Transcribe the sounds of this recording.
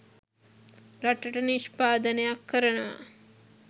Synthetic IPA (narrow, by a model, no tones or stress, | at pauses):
ɾaʈəʈəniʃpaːd̪ənejakːəɾənəʋa̰